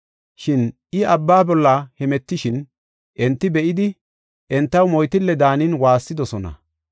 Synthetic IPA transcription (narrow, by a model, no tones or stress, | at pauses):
ʃɪnʔɪʔɐbːaːbɔlːahɛmɛt̪ːɪʃɪn | ʔɛnt̪ːɪbɛʔɪd̪ɪ | ʔɛnt̪ːɐwmɔjt̪ɪlːɛd̪aːnɪnwaːsːɪd̪ɔsɔnɐ̰